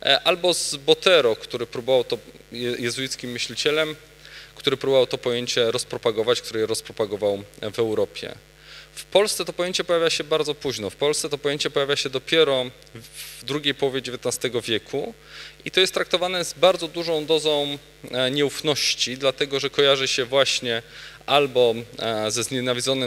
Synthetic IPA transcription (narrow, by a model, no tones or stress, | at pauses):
ʔalbɔzbɔt̪ɛɾɔkt̪uɾɘpɾubɔvawt̪ɔ | ɛjɛzujit̪skʲimːɘɕlʲit͡ɕɛlɛm | kt̪uɾɘpɾubɔvawt̪ɔpɔjeɲt͡ɕɛɾɔspɾɔpaɡɔvat͡ɕkt̪uɾɛjɛɾɔspɾɔpaɡɔvawvɛwɾɔpʲjɛ̰ | fpɔlst̪sɛt̪ɔpɔjeɲt͡ɕɛpɔjavʲjaɕɛbaɾd̪zɔpuʑnɔfpɔlssɛt̪ɔpɔjeɲt͡ɕɛpɔjavʲjaɕɛd̪ɔpʲjɛɾɔ | vd̪ɾuɡʲejpɔwɔvʲjed͡ʑevʲjet̪nast̪ɛɡɔvʲjɛkʰu | it̪ɔjɛst̪ːɾak̚t̪ɔvanɛzbaɾd̪zɔd̪uʐɔ̃w̃d̪ɔzɔ̃w̃ | ɲɛufnɔɕt͡ɕid̪lat̪ɛɡɔʐɛkɔjaʐɘɕɛvwaɕɲɛʔalbɔzɛzɲɛnavʲidzɔnɘ